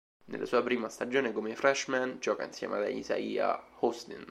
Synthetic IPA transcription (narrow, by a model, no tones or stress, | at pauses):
nḛlːʔasuːapɾiːmast̪ad͡ʒoːnekomefɾɛʃmɛnd͡ʒɔːka̰insjɛ̰mead̪aḭza̰iːa̰host̪ḭn